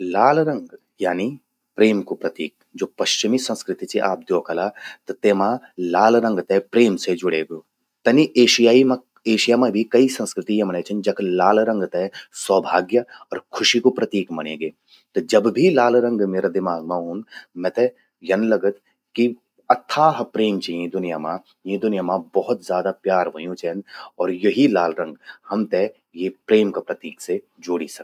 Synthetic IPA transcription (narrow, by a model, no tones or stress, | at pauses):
laːlɾɐ̃ŋɡ | jaːni | pɾeːmkupɾɐt̪iːk̚d͡ʒoːpɐʃt͡ʃɪmisɐ̃nskɾɪt̪it͡ʃiʔa̰ːp̚d̪joːkʰɐlat̪ɐt̪eːmãlaːlɾɐ̃ŋɡt̪epɾeːmsed͡ʒʊɽeːɡjoː | t̪ɐniʔeːʃijaːimɐ̃ | eːʃijaːmɐ̃bʱikɐisɐ̃nskɾɪt̪iːjẽmɐñeːt͡ʃʰɐnd͡ʒɐklaːlɾɐ̃ŋɡt̪ɛsɔːbʱaːɡjəɔːɾkʰʊʃikopɾɐt̪iːkmɐɽ̃ẽːɡeː | t̪od͡ʒɐbbʱilaːlɾə̃ŋɡmeːɾad̪ɪmaːɡmãɦʊ̃nmɛ̃t̪ɛ | jɐnlɐɡət̪ | ki | ɐt̪ʰːaɦɐpɾeːmt͡ʃɐẽd̪ʊnɪjamã | jẽd̪ʊnɪjaːmãbɔɦʊt̪zʲjaːd̪apjaːɾʋɐjũt͡ʃʰɛ̃nd̪ɔːɾjɐɦilaːlɾɐ̃ŋɡhɐmt̪e | jepɾeːmkapɾɐt̪iːkse | d͡ʒoːɽisɐk̪̚